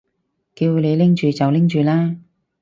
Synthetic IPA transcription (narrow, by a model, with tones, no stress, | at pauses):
kiː˧wle˨˧jlɪ˥ŋt͡ʃyː˨t͡sɐ˨wlɪ˥ŋt͡ʃyː˨laː˥